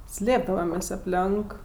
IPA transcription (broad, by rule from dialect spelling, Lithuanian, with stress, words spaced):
ˈsʲlʲeːbdɐʋɐmʲeːsʲ ɐpʲˈlʲɛŋk